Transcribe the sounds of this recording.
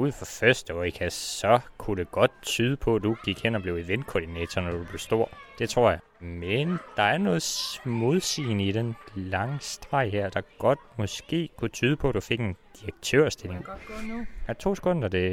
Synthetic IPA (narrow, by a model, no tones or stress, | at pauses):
uð̰̩ˠfɒfɶɐsd̥əɒikʰæsɒ̽kʰuɾe̝ɡ̥ɒ̽d̥̚t͡sʰyːð̞ˠəpʰɒ̽d̥uɡ̥iɡ̥hen̰ɒb̥le̝ʊiʋen̥kʰɒːd̥inɛːt͡sʰɒnɒd̥ub̥le̝ʊsd̥o̝ɐ̰d̥e̝t͡sʰʁo̝ɐ̰jɑ̈ | mend̥ɑ̈æɐnɔ̽ːð̩ˠsmo̝ð̞ˠsḭːnəid̥enlɑ̈ŋsd̥ʁɑ̈ɪ̰hæɐ̰d̥ɑ̈ɡ̥ɒ̽d̥̚mɒ̽sɡ̥e̝̰ːkʰut͡sʰyːð̞ˠəpʰɒ̽æd̥ufe̝ɡ̥e̝nd̥iʁɐɡ̥̚t͡sʰø̰ɐ̰sd̥ele̝ŋ | æt͡sʰo̝̰ːsə̥kʰɔ̽nd̥ɐd̥e̝